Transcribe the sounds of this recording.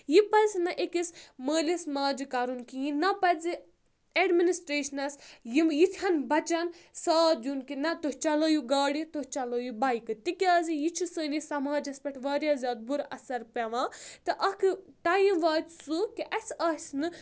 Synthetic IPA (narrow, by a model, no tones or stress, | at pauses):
jipɐsnɐʔekisməːlʲismaːd͡ʒikɐɾunkijĩnɐpɐzi | eɖminisʈɾeːʃɐnɐsjimjit̪ʰɐnbɐt͡ʃɐnsaːt̪̚d͡ʒunkinɐt̪oɦt͡ʃɐloːjuɡaːɽit̪oht͡ʃɐloːjubɐjkɨt̪ikʲjaːzijit͡ʃʰusəːnisɐmaːd͡ʒɐspɐʈʰʋaːɾʲjaːzʲaːd̪̚buɾɐ̰sɐɾpʲɐʋãːt̪ɨʔɐkʰɨʈajĩʋaːt̪sukiʔɐsɐːsnɨ